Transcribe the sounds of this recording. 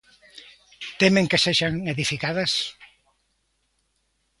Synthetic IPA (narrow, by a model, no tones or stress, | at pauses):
t̪emẽŋkeseʒaŋeðifikaðɐs